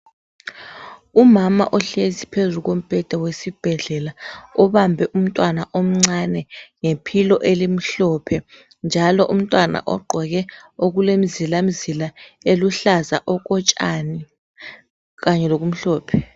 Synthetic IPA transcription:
umama̰ʔɔɬezipʰezuɣ̬om̩b̥ʱɛd̥ʱawesib̥ʱɛɮɛlaɔβambʱɛʔum̩tʼwanaʔom̩ŋ͡ǀanɛŋepʰilɔʔelim̩ɬɔpʰɛ | nd͡ʒʱalɔʔum̩tʼwana̰ʔɔ̰ɡ͡ǃʱɔɣɛoɣulemizilam̩zilaeluɬaza̰ʔɔk̬ʼɔt͡ʃʼa̰ni | kaɲɛlok̬um̩ɬɔːpʰɛ̥

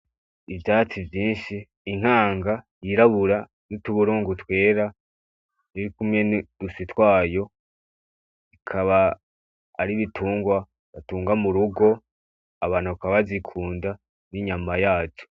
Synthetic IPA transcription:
ivjaːt͡sivjiːnʃiː | ŋ̥haːŋɡajiɾaβuɾa | nituβuɾuːŋɡutwe̞ːɾa | iɾikumɲe̞ndusitwaːjo̞ | ikʰaβaː | ɾiβitʰuːŋɡwa | βatuːŋɡamuɾuɡo̞ | aβaːn̥huβakaβazikʰuːnda | niɲaːmajaːt͡ʃo̥

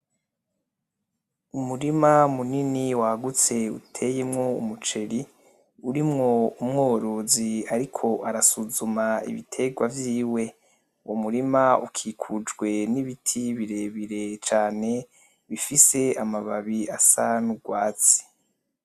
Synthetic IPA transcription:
umuɾimamuniniwaɡut͡se̞ṵtʰe̞jemŋo̞ṵmut͡ʃe̞ɾi | uɾimŋo̞umŋoːɾoziaɾikʰo̞ʔaɾasuzumaḭβḭtʰe̞ɡwavjiːwe̞ | uwʔomuɾimaṵkʰikʰud͡ʒɡwe̞niβitʰiβiɾe̞βiɾe̞t͡ʃaːne̞ | βifise̞amaβaβiasanuɡwaːt͡si̥

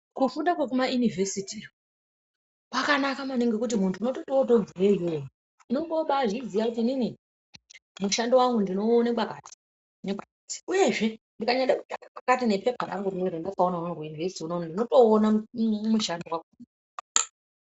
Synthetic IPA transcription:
kufundakwekumajunivʱesiti | pakanakamaneŋɡe̞kut̬imuntʰuino̞to̞to̞to̞d͡zirejojo | ino̞ŋɡo̞ɓaʐizijakutiːnini | muʃandewaŋɡundino̞ːnekakaːti̥ | neɓakati̥uje̞ʐe̞ndikaɲaɗeku̥t͡ʃakapakatine̞pepaɾa̰ŋɡuruneɾendakaonaonorujunivesi̥tiunonndino̞to̞ːnamuʃandewakun

